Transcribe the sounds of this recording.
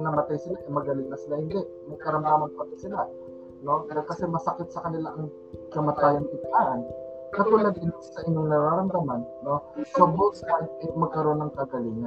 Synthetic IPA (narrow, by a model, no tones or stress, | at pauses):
ŋnɐmɐt̪ajsɪlaʔɛmɐɡɐlɪŋnɐsɪlahɪnd̪ɛʔ | mɐɡ̚kɐɾɐmd̪amɐnɐmɐt̪ajsɪla | no̞kɐsɛmɐsɐkɪt̪̚sɐkɐnɪlaʔɐŋ | kɐmɐt̪ajɐŋɪt̪aʔɐn | kɐt̪olɐɡ̪̚ɪnassɐʔɪɲo̞ŋnɐɾaɾɐmd̪ɐmanːo̞sɐboʔt̪ːanʔɐjmɐɡ̚kɐɾo̞nːɐŋkɐɡɐliːŋɐn